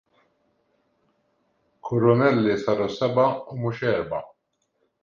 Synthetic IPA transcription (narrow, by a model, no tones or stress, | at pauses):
kʰʊɾʊnɛlːisɐɾusɛbɐʊmuʃɛːɾbɐ